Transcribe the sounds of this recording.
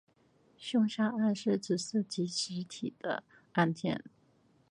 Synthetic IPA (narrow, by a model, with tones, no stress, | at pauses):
ɕʊ˥˧ŋɕa˥a˥˧nʂɻ̩˥˩ʈ͡ʂɻ̩˨˩sɹ̩˥˩t͡ɕi˧˥ɕɻ̩˧˥t̪ʰi˨˩d̪̥ə̰˦ | a˥˧nt̪ʰjɛ̰˥˩n